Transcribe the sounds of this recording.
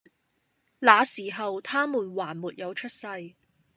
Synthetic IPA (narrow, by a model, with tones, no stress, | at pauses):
laː˨˧siː˨˩ɦɐ˨wt̪ʰaː˥muː˨˩nwaː˨˩nmuː˨t̚jɐ˨˧wt͡ʃʰɵ˥t̚sɐ˧j